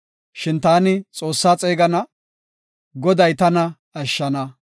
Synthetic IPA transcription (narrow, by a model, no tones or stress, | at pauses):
ʃɪnt̪aːnɪt͡sʼo̞ːsːaːt͡sʼeːɡɐnɐ | ɡɔd̪ɐjt̪ɐnɐ | ɐʃːɐnɐ